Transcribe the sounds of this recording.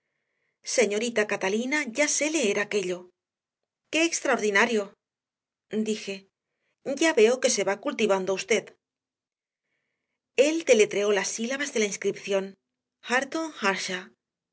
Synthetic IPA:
se̞ɲo̞ɾit̪akat̪alinaʝase̞le̞eɾake̞ʎo̞ | ke̞ːkst̪ɾaoɾðinaɾjo̞ | d̪ixe̞ | ɟ͡ʝaβe̞oke̞se̞βakult̪iβ̞and̪oust̪e̞ð | e̞ld̪e̞le̞t̪ɾe̞o̞lasilaβazðe̞lainskɾipθjo̞n | xaɾt̪oŋxaɾʃa

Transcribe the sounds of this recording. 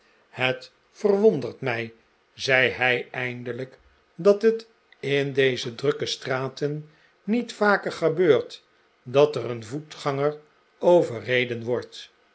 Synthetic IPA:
hət | fərʋondərtmɛj | zɛjɦɛjɛjndələk | dɑtət | ɪndejzədrɵkəstraːtənː | itfaːkəɹχəbøːɹt | dɑtəɾənvutχɑŋər | owvərejdənʋɔɹt

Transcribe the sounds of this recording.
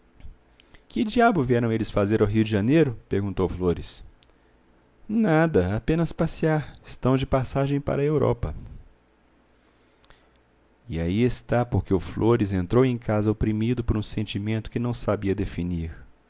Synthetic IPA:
kɪd͡ʒiabʊviɛɾɐ̃w̃elɪsfazeɾawɦiʊd͡ʒɪʒɐnejɾʊpeɾɡũnt̪owfloɾɪs | nad̪ɐapẽnɐspasiaɾɪst̪ɐ̃w̃d͡ʒɪpasaʒẽj̃pa̰ɾɐewɾɔ̰pɐ | iaiest̪apoɾkeʊflʔoɾɪzẽnt̪ɾowẽj̃kazɐopɾimid̪ʊpoɾũsẽnt͡ʃimẽnt̪ʊ̥kɪnɐ̃w̃sabiɐd̪efiniɾ

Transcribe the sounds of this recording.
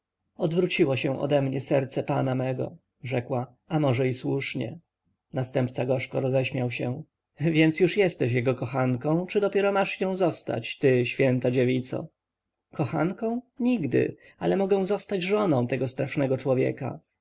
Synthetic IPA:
ɔd̪vɾut͡ɕiwɔɕɛ̃ʔɔ̰d̪ɛmɲɛsɛɾt̪sɛpanamɛɡɔ̰ | ʐɛkwa | amɔʐɛiswuʂɲɛ̰ | nast̪ɛmpt̪saɡɔʂkɔɾɔzɛɕmʲjawɕɛ | vʲjɛnt̪sjuʂjɛst̪ɛɕjɛɡɔkɔxaŋkɔ̃w̃t͡ʂɘd̪ɔpʲjɛɾɔmaʂjɔ̃w̃zɔst̪a̰t͡ɕt̪ɘɕfʲjɛnt̪ad͡ʑevʲit̪sɔ̰ | kɔxankɔ̃w̃ɲiɡd̪ɘ̰ | alɛmɔɡɛ̃w̃zɔst̪ad͡ʑʐɔnɔ̃w̃t̪ɛɡɔst̪ɾaʂnɛɡɔt͡ʂwɔvʲjɛ̰ka̰

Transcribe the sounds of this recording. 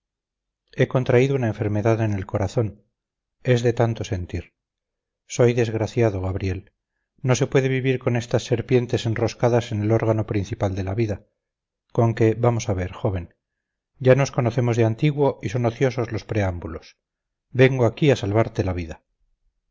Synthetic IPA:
e̞ko̞nt̪ɾaiðounaeɱfe̞ɾme̞ðaðene̞lko̞ɾaθo̞n | e̞zðe̞t̪ant̪o̞se̞nt̪iɾ | so̞jðe̞zɣɾaθjaðo̞ɣaβɾje̞l | no̞se̞pwe̞ðe̞βiβiɾko̞ne̞st̪asːe̞ɾpje̞nt̪e̞se̞nro̞skaðase̞ne̞lo̞ɾɣ̞ano̞pɾin̟θipald̪e̞laβiða | ko̞ŋke̞βamo̞saβe̞ɾxo̞βe̞n | ɟ͡ʝano̞sko̞noθe̞mo̞zðeant̪iɣwo̞iso̞no̞θjo̞so̞zlo̞spɾe̞ambulo̞s | be̞ŋɡoakiasalβaɾt̪e̞laβiða

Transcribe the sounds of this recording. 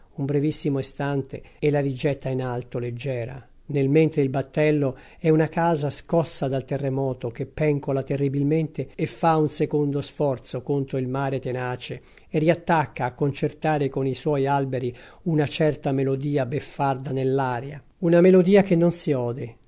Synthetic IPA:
umbɾevisːimoest̪ant̪eɛlaɾid͡ʒɛt̪ːainalt̪oled͡ʒːɛːɾa̰ | nelment̪ɾeilbat̪ːɛlːo | ɛunakaːzaskɔsːad̪alt̪erːemɔːt̪ok̟epːɛŋkolat̪erːibilment̪eːfːaunsekond̪osfɔrt̪sokont̪ɾoilmaːɾet̪enaːt͡ʃeː | rːiat̪ːakːaːkːont͡ʃert̪aːɾekoniswɔjalbeɾi | unat͡ʃɛrt̪amelod̪iːabefːard̪anelːaːɾja | unamelod̪iːakenːonsiɔːd̪e

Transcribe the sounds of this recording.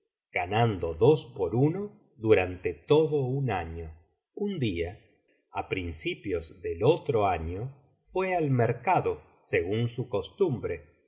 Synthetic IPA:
ɡ̥anand̪oðospoɾuno | ðuɾant̪et̪oðounaɲo | und̪ia | apɾinsipjozðelot̪ɾoaɲo | fwealmeɾkaðo | seɣunsuko̞st̪umbɾe

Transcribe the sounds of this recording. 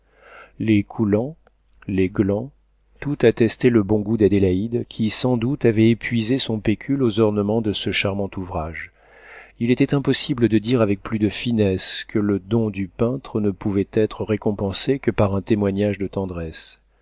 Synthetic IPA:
lekʰulɑ̃ | leɡlɑ̃ | t̪ut̪at̪ɛst̪eləbɔ̃ɡud̪ad̪elaid̪kʲʰisɑ̃d̪ut̪avɛepɥizesɔ̃pekʲʰylozɔʁnəmɑ̃d̪əsəʃaʁmɑ̃t̪uvʁaʒ | ilet̪ɛt̪ɛ̃pɔsibləd̪əd̪iʁavɛk̚plyd̪əfinɛskələd̪ɔ̃d̪ypɛ̃t̪χənəpuvɛt̪ɛt̪χəʁekɔ̃pɑ̃sekəpaʁɛ̃t̪emwaɲaʒd̪ət̪ɑ̃d̪ʁɛs

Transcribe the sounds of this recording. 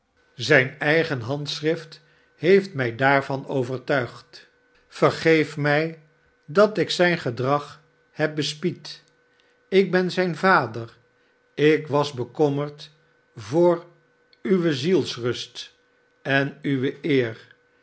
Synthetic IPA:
zɛjnɛjχənɦɑntsrɪft | ɦejftmɛjdaːɹvɑnowvəɹtœɥχt | fəɹχejfmɛj | dɑtɪksɛjnχədrɑχ | hɛp̚bəspit | ɪɡ̚bɛnzɛjnvaːdər | ɪkʋɑzbəkɔməɹt | vʊːɹ | yʋəzilˠsrɵst | ɛnyʋəʔɪːr

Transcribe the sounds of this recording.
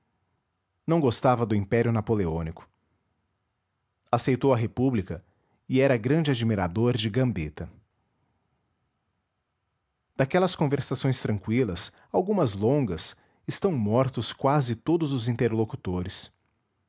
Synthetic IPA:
nɐ̃w̃ɡost̪avɐd̪ʊĩpɛɾjʊnapoleõnikʊ̥ | asejt̪owɐɦepublikɐ | ɪɛɾɐɡɾɐ̃d͡ʒɪad͡ʒimiɾad̪oɾd͡ʒɪɡɐ̃mbit̪ɐ | d̪̥akɛlɐskõveɾsasõj̃st̪ɾɐ̃ŋkwilɐs | awɡũmɐzlõŋɡɐs | ɪst̪ɐ̃w̃mɔɾt̪ʊskwazɪt̪od̪ʊzʊzĩnt̪eɾlokut̪oɾɪs

